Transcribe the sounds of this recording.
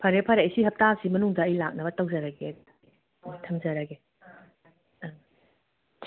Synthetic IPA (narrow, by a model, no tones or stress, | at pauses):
pʰɐɾepʰɐɾeɐjsiɦɐp̚tasimɐnuŋdɐːjlak̚nɐbɐtɐwzɐɾɐɡe | tʰɐmzɐɾɐɡe